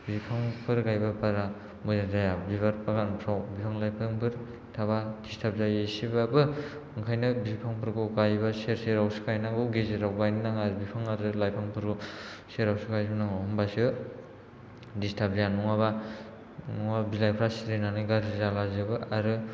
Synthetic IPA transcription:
bipʰaŋpʰɯɾɡajbapaɾa | muzazajabiβaɾpaɡanpʰɾawbipʰaŋlajpʰɯŋpʰɯɾ | tʰaβad̥istʰap̚zajesibabɯ | ɯŋkʰajnɯbipʰaŋpʰɯɾɡuɡajβaseɾseɾawsɯ̥kʰajnaŋɡɯɡezeɾawɡajnɯnaŋaɾbipʰaŋaɾɯlajpʰaŋpʰɯɾɡuseɾawsɯkajsnaŋahɔmbasɯ | distʰap̚zajanɔŋaβa | nɔŋabilajpʰɾasiɾenanɯɡaɾizalazɯbɯaɾɯ

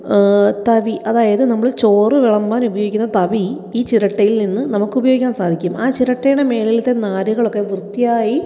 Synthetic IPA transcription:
t̪ɐʋiʔɐðaːjɐðɨnɐmːɐɭɨt͡ɕo̞ːrɨʋiɭɐmbaːnubɐjo̞ːɡikʲːunːɐt̪ɐʋi | iːt͡ɕiɾɐʈːɐjilninːɨnɐmukːɨubɐjoɡikʲːaːnsaːd̪ʱikʲːumaːt͡ɕiɾɐʈːejɳeme̞ːlɐjlt̪ːenaːɾuɣɐɭo̞kːe̞ʋrt̪ːijaːji

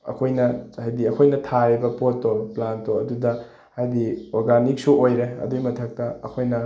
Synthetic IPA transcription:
ɐ̰kʰojnɐhajdiɐkʰojnɐtʰaebɐpotːobɐplantoɐdudɐ | hajdioɾɡanik̚suojɾeɐ̰duimɐtʰɐk̚tɐɐkʰojnɐ

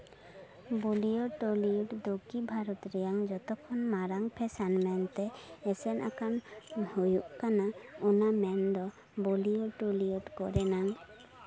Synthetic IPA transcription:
bulijɔʈolijɔʈd̪oɡibʱaɾɔt̪ɾɛjaŋd͡ʒɔt̪ɔkʰɔnmaɾaŋpʰɛsanmɛnt̪ɛːsɛnʔa̰kanhujuʔkanaɔnamɛnd̪ɔ | buliɔʈoliɔʈkɔɾɛnaŋ

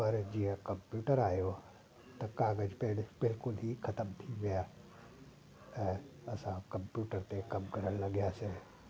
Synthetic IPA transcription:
pɐɾd͡ʑiːə̃kɐ̃mpjuːʈəɾaːijo | t̪ɐkaːɡəd͡ʑpɐɦɪɽbɪlkʊlɦixʰɐt̪əmt̪ʰiʋijaː | ɛ̃ːɐsãkɐ̃mpjuːʈəɾt̪ekɐmkɐɾəɽ̃lɐɠijasẽ

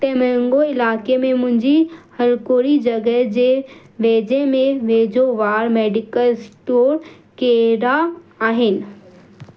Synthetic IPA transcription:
t̪ɛ̃ːmɐ̃ɦɪ̃ŋɡoɪlaːkemẽmʊ̃ɦɪ̃ɲd͡ʑihɐɾkoːɾid͡ʑɐɡəɦd͡ʑeː | ʋeːd͡ʑemẽʋeːd͡ʑoʋaːɾmeːɖɪkəlsʈoːɾ | keɾaaːɦɪnɪ̆

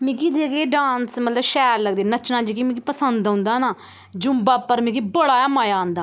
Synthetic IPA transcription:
mĩkiːd͡ʒeːkeːɖãːnsmət̪ləbʃɛːɾləɡd̪eːnət͡ʃnãːd͡ʒeːkiːmĩːkipəsənd̪ɦʊ̃ːnd̪aːnaː | d͡ʒʊmbaːpəɾmɛ̃kibəɽaːmaːjãːnd̪aː

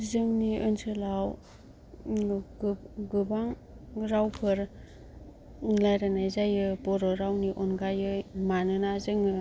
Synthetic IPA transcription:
zɯŋniɯnsɯlaw | ɡɯbaŋ | ɾawpʰɯɾ | lajɾanajzajɯpɔɾɔɾawniʔɔnɡajɯmanɯnazɯŋɯ

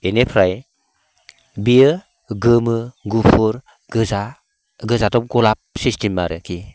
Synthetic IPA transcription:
enepʰɾaj | biɯ | ɡɯmɯɡupʰuɾ | ɡ̥ɯza | ɡɯzatɔp̚ɡɔlap̚sistimːaɾɯkʰi

